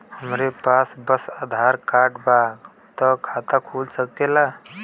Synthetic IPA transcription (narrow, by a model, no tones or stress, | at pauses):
həmɾepasbəsəd̪ʱaɾkaʈbaɡ | t̪ɔkʰat̪akʰulsək̚t̪ela